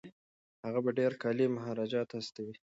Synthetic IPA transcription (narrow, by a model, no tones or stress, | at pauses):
haɣabaɖeɾkɑlimʊɦɑɾɑd͡ʒɑt̪hast̪awi